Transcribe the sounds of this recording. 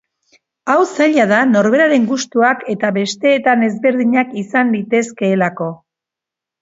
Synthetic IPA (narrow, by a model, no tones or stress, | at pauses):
awsaʎaðano̞ɾβe̞ɾaɾe̞ŋɡust̪uake̞t̪aβe̞st̪e̞ːt̪ane̞zβe̞ɾðiɲakisanlit̪e̞ske̞ːlako̞